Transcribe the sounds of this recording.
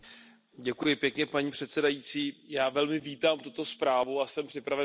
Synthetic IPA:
ɟɛkujɪpjɛkɲɛpaɲiːpr̝̥ɛt̪sɛdajit͡siːjaːvɛlmɪviːt̪aːmt̪ut̪o̞spɾaːvuasɛmpr̥ɪpɾavɛ

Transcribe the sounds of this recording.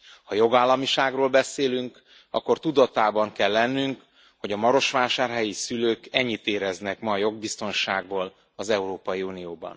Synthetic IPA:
hɒjo̞ɡaːlːɒmiʃaːɡroːlbɛseːlyŋk | ɒ̰kːo̞rt̪ud̪ɒt̪aːbɒŋkɛlːɛnːyŋk | ho̞ɟɒmɒɾo̞ʃʋaːʃaːrɦɛjisyløːkɛɲːit̪eːɾɛznɛkmɒːjo̞ɡ̚bist̪o̞nʃaːɡboːl | ɒzɛuɾoːpɒjiunijoːbɒ̰n

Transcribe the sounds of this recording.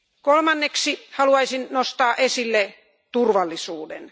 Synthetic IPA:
kolmɑnːeksihɑluɑisinnost̪ɑːʔesilːe | t̪urʋɑlːisuːdḛn

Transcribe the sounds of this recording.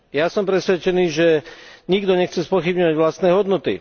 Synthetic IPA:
jasɔmpɾɛsʋɛt͡ʃɛniːʒɛɲiɡd̪ɔɲɛxt͡sɛspɔxibɲɔʋaɟʋlast̪nɛːɦɔd̪nɔt̪ḭ

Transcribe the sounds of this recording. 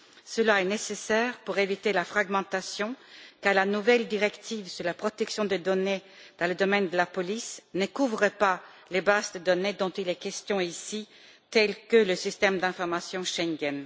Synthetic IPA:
səlaɛnesesɛʁpuʁevit̪elafχaɡmɑ̃t̪asjɔ̃kaʁlanuvɛld̪iʁɛkt̪ivsyʁlapχɔt̪ɛksjɔ̃d̪ed̪ɔne | d̪̥ɑ̃ləd̪ɔmɛnd̪əlapɔlisnəkuvʁəpa | lebazd̪əd̪ɔned̪ɔ̃t̪ilɛkʲɛst̪jɔ̃isi | t̪ɛlkələsist̪ɛmd̪ɛ̃fɔʁmasjɔ̃ʃɛ̃ŋɡɛn

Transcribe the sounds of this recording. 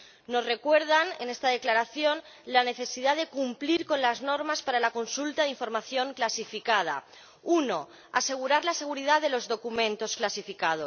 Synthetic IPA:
no̞sre̞kwe̞ɾð̞anenest̪að̞eklaɾaθjo̞n | lane̞θe̞siðaðe̞kumpliɾko̞nlazno̞ɾmaspaɾalako̞nsult̪aðiɱfo̞ɾmaθjo̞ŋklasifikað̞a̰ | uno̞ | ase̞ɣ̞uɾaɾlase̞ɣ̞uɾiðaðe̞lo̞zðo̞kumẽ̞nt̪o̞sklasifikað̞o

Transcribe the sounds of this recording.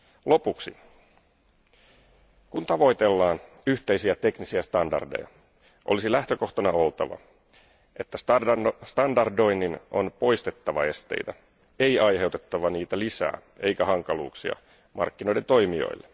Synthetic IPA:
lo̞puksi | kunt̪ɑʋo̞jt̪e̞lːɑːn | yht̪e̞isiæt̪e̞knisiæst̪ɑndɑ̰rde̞̰jɑ̰ | ʔolisilæht̪ø̞ko̞ht̪ɑnɑo̞lt̪ɑʋɑ̰ | ʔe̞t̪ːæsst̪ɑndɑrdo̞jnːino̞̰npo̞jst̪e̞t̪ːɑʋɑe̞st̪e̞̰jt̪æ | e̞jɑjɦe̞wt̪e̞t̪ːɑʋɑniːt̪ælisæ̰ː | e̞jkæɦɑŋkɑlṵːksiɑ̰ | mʔɑ̰rkːino̞jde̞nt̪o̞jmio̞̰jlːe

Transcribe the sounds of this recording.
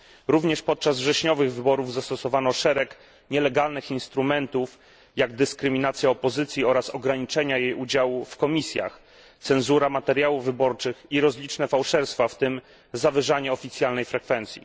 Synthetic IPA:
ɾuvɲɛʂpɔt̪̚t͡ʂazvʐɛɕɲɔvɘɣvɘbɔɾuvzast̪ɔsɔvanɔʂɛɾɛk | ɲɛlɛɡalnɘxinst̪ɾumɛnt̪uf | jaɡd̪ɘskɾɘmʲinat̪sʲjaɔpɔzɘt̪sʲjiɔɾasɔɡɾaɲit͡ʂɛɲajejud͡ʑawufkɔmʲisʲja̰x | t̪sɛnzuɾamat̪ɛɾʲjawuvvɘbɔɾt͡ʂɘxiɾɔzlʲit͡ʂnɛfawʂɛɾst̪faft̪ɘm | zavɘʐaɲɛɔfʲit̪sjalnɛjfɾɛkfɛnt̪sʲjḭ

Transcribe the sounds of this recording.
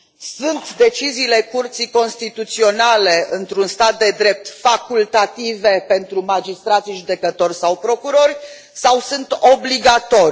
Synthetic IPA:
sunt̪d̪e̞t͡ʃiziːle̞kurt̪sijko̞nst̪it̪ut̪sio̞nale̞ɨnt̪ɾunst̪at̪̚d̪e̞d̪ɾe̞p̚t̪fakult̪at̪ive̞pe̞nt̪ɾumad͡ʒist̪ɾat̪siʒud̪e̞kət̪o̞rʲsawpɾo̞kuɾo̞rʲ | sawsunt̪obliɡat̪o̞ɾʲ

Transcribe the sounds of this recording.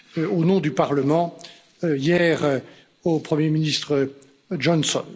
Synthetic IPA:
onɔ̃d̪ypaʁləmɑ̃ | jɛʁ | opχəmjeminist̪χə | ʒɔnsɔ̰n

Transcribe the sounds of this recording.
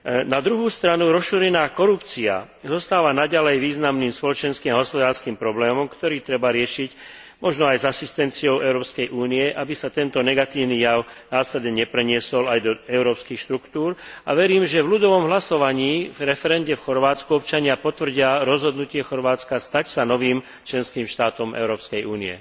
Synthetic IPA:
nad̪ɾuɦuːst̪ɾanuɾɔʃuːɾɛnaːkɔɾupt͡sia̰ | zɔst̪aːʋanaɟalɛjʋiːznamniːmspɔlɔt͡ʃɛnskiːmaɦɔspɔd̪aːɾskiːmpɾɔblɛːmɔmkt̪ɔɾiːt̪ɾɛbaɾɪɛʃic | mɔʒnɔajzasist̪ɛnt͡siɔʊɛʊɾɔːpskɛjʔuːniɛʔabisat̪ɛnt̪ɔnɛɡat̪iːʊniːjaʊnaːslɛd̪ɲɛɲɛpɾɛɲɪɛsɔlajd̪ɔɛʊɾɔːpskixʃt̪ɾukt̪uːɾa̰ʋɛɾiːmʒɛvlud̪ɔʋɔmɦlasɔʋaɲiːvɾɛfɛɾɛnɟɛfxɔɾʋaːt͡skuɔpt͡ʃaɲɪapɔt̪ʋr̩ɟɪaɾɔzɦɔd̪nucɪɛxɔɾʋaːt͡skast̪acsanɔʋiːm | t͡ʃlɛnskiːmʃt̪aːt̪ɔmʔɛ̰ʊɾɔːpskɛjʔuːniɛ̰

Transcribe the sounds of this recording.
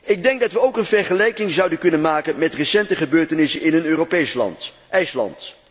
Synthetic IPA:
ɪɡ̚dɛŋɡ̚dɑtʋəowkənvɛɹχəlɛjkɪŋzʌwdənkɵnənmaːkənmɛtrəsɛntəχəbøːɹtənɪsənɪnɦənøːropejslɑ̰nt | ʔɛjslɑ̰nt

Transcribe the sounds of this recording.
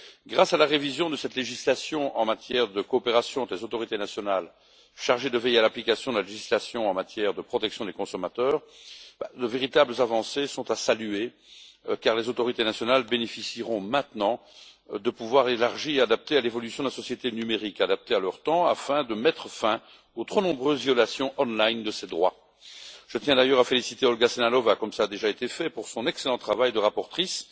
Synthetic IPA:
ɡʁasalaʁevizjɔ̃d̪əsɛt̪leʒislasjɔ̃ʔɑ̃mat̪jɛʁd̪əkɔːpeʁasjɔ̃ɑ̃t̪lezot̪ɔʁit̪enasjɔnal | ʃaʁʒed̪əvɛjealaplikasjɔ̃d̪əlaleʒislasjɔ̃ɑ̃mat̪jɛʁd̪əpχɔt̪ɛksjɔ̃d̪ekɔ̃sɔmat̪œːʁbad̪əveʁit̪abləzavɑ̃sesɔ̃t̪asalye | kaʁlezot̪ɔʁit̪enasjɔnalbenefisiʁɔ̃mɛ̃t̪nɑ̃ | d̪əpuvwaʁelaʁʒiead̪ap̚t̪ealevɔlysjɔ̃d̪əlasɔsjet̪enymeʁikad̪ap̚t̪ealœʁt̪ɑ̃a̰fɛ̃d̪əmɛt̪χəfɛ̃ | ot̪χonɔ̃bʁøːzvjɔlasjɔ̃ʔɔ̃nlajnd̪əsed̪ʁwa̰ | ʒ̥ət̪jɛ̃d̪ajœʁafelisit̪eɔlɡasenalɔvakɔmsaːd̪eʒaet̪efɛpuʁsɔ̃nɛkselɑ̃t̪χavajd̪əʁapɔʁt̪χis

